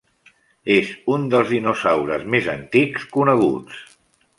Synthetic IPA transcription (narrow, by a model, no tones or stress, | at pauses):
ezund̪əlˠzðinusawɾəzmezənt̪ikskunəɣ̞ṵt͡s